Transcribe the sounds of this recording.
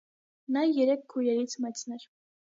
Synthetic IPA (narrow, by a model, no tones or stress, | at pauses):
nɑjɛɾɛkːʰujɛɾit͡sʰmɛt͡sʰnɛɾ